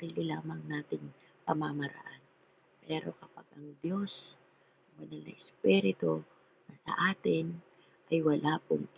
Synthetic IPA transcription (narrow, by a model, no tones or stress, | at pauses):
ɾiːlɪlaːmɐŋnaːt̪ɪŋ | pɐmamɐɾɐ̰ʔan | pɛːɾo̞̰kɐpaɡ̥ʔɐŋd̪jo̞s | ɐŋwɐnalɐ̰ʔɪspiɾɪt̪o | nɐsɐ̰ʔaːt̪ɪn | ʔɐjwɐlʔaːpʊŋ